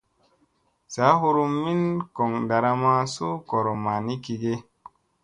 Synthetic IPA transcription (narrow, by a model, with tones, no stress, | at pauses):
sa˨˦ɦu˧ɾu˧mːi˦nko˨ŋda˨ɾa˧ma˧su˦ko˨ɾo˨ma˨ni˦ki˧ɡe˦